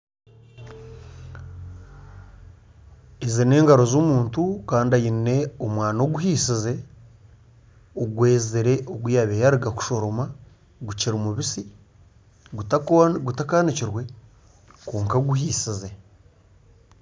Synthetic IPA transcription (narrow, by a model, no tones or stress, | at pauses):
ezine̞ːŋɡaɾo̞zomuːntukaːndajine̞omwaːnoɡuɦisize̞ | oɡwe̞ːziɾe̞ʔoɡwujaβejaɾiɡaku̥ʃo̞ɾo̞ma | ɡuciɾimuβisi | ɡutakaːniciɾwe̞ | kuːŋkaɡuɦiːsize̞